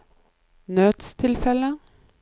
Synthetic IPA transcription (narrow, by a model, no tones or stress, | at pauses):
nøːt̪st̪ʰɪlfɛlə